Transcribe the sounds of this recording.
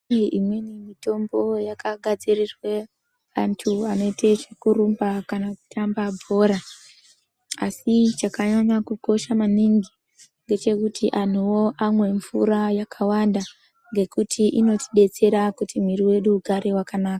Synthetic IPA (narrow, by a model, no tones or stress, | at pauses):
iʔimwenimito̞mbo̞jakaɡʱad͡zirirwe | antʰuano̞itet͡ʃikuɾumbakanaku̥tʰambabʱo̞ɾa | asit͡ʃakaɲaɲakuko̞ʃamaniŋɡi | ŋɡe̞t͡ʃe̞kutiʔan̤uwo̞ʔamwe̞ɱvṵɾajakʰawanda | ŋɡe̞kutʰiʔino̞ti̥ɓe̞t͡se̞ɾakutim̤iriwe̞ɗuːɡʱaɾe̞wakanaːkḁ